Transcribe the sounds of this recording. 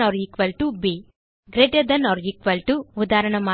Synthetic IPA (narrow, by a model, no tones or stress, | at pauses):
ɔːɾikʋɐlʈubi | ɡɾeʈed̪ɐnɔːɾikʋɐlʈuud̪aːɾɐɳɐmaː